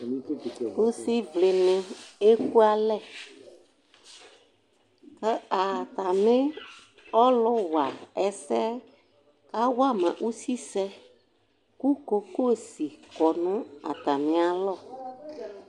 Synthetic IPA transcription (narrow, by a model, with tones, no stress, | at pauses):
u˦si˦vle˨nɪ̃˨e˦ku˦a˦lɛ˦˨ | kə˦a˨t̪a˨mɪ̃˦ | ɔ˦lʊ˦wa˨ɛ˨sɛ˦ | ka˦wa˦mã̰˨ʔu˦si˦sɛ˦ | ku˦ko˨ko˦˨si˨kɔ˨nũ˦a̰˨t̪a˨mɪ̃˨a˨lɔ˦˨